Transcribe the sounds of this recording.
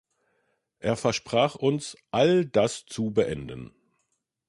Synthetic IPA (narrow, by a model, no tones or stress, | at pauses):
ʔeːɐfɛɐʃpʁ̥aːχʔʊnsʔaldast͡subəʔɛndən